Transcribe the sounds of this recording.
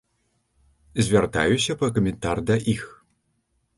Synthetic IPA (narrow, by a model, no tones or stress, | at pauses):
zʲvʲart̪a̰jusʲɐpɐkɐmʲɛnt̪ard̪ɐʔix